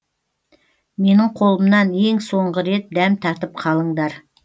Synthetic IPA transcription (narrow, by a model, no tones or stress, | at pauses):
me̞nɪɴqʰo̞lˠəmnɑne̞ŋso̞ɴʁəɾe̞t̪̚d̪æmt̪ʰɑt̪əp̚qʰɑlˠəɴd̪ɑɾ